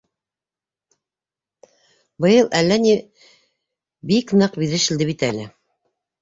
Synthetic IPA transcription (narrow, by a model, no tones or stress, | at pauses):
bɤ̆jɤlˠʔælːæni | biknɤqbiðɘʃɘ̆ld̪ɘβit̪ælɘ